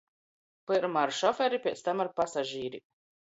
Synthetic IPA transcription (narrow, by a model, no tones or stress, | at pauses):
pɨɾmaɾʃɔfɛɾipʲiɛst̪amaɾpasaʒiːɾi